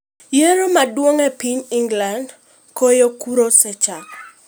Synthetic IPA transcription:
jeɾomadwoŋɛpiɲiŋɡland | kojokuɾosɛt͡ʃa

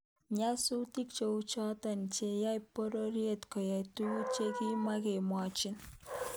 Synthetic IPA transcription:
ɲasuwt̪ikt͡ʃowt͡ʃʰat̪ant͡ʃejajpɔɾɔɾiet̪kɔjajt̪uut͡ʃeɡimaɡemat͡ʃin

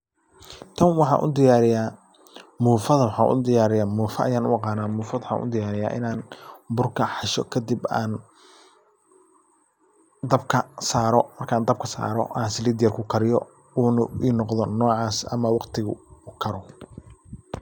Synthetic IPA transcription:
t̪ʰɐnwɑħɑ̰ʔʊ̰d̪ɪjaːɾɪjaː | muːfɐðɐwɑħɑːʔʊ̰d̪ɪjaːɾɪjaːmuːfɐʔɐjaːnʊ̰ɑqɑːnaːmuːfɐðwħɑ̰ːnʊ̰d̪ɪjaːɾɪja̰ːʔɪ̰naːnbʊrkʰɐħɑʃɔ̰kʰɐd̪iba̰ːn | d̪ɐb̚kʰɐsaːɾɔmɐrkʰaːnd̪ɐb̚kʰɐsa̰ːɾɔ̰ʔaːnsɪliːd̪ɪjɐrkʰʊkʰɐɾɪjɔ̰ | uninɔqðɔnɔːʕɑːsɐ̰mɐwɑqt̪ʰɪɣʊʊkʰɐɾɔ

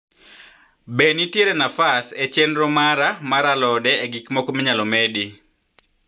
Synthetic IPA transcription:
benitjeɾɛnafaset͡ʃenɾɔmaɾamaɾalɔdɛːɡikmɔkɔmiɲalɔmedi

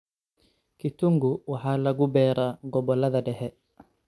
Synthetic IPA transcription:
kituŋɡuwaħaːlɐɡubɛːɾaɡɔbɔlɐðɐdɛhɛ

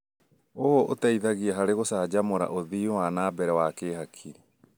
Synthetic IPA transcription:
oɔʔotaiðaɣiaɦaɾeɣosaːd͡ʑamoɾa̰ʔoðiːwaːnaːbɛɾɛwakeːɦakʰiɾi

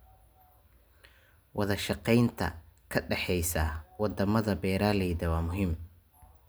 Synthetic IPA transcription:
wʔɑðɐʃɑqɛjnt̪ʰɐ̰kʰɐɖɛħɛjsɐwɑd̪ɐmɐðɐbɛːɾaːlɛjðɐwɑːmʊɦɪm

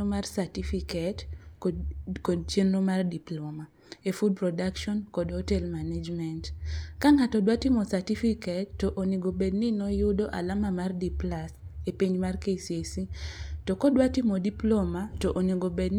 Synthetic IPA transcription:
omarsatifikɛt | kod̚t͡ʃjenːomardiploma | efud̚prɔdakʃɔnkɔdhotɛlmaned͡ʒmɛntkaŋatɔdwatimɔsatifikɛtːoʔoniɡobedninɔjʊdoʔa̰lamamardiplasepiɲmarkesiesitɔkɔdwatimodiplomatoʔoniɡobedn

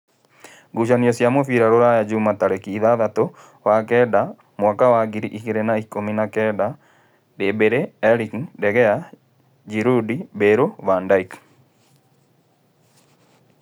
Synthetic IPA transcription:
ɡuʃaniɔsjamɔfiɾaɾoɾajad͡ʒumataɾɛkiːðaðato | wakɛda | mwakawaɡiɾiʔikeɾenaikominakɛda | debeɾeɛɾikdɛɣɛa | d͡ʒiɾudibeɾoβandaik

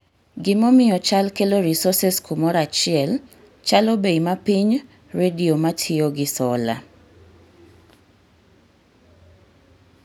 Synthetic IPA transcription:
ɡɪmɔmɪjɔt͡ʃalkeloɾisɔsɛskumɔɾat͡ʃɪɛl | t͡ʃalɔbeimapiɲ | ɾediomatʰioɡɪsɔla̰

